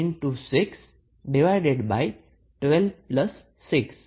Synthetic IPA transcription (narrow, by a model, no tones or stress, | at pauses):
nʈusɪks | ɖiʋaɪɖeɖbaɪ | ʈʋɛlʋplʌsː | ɪks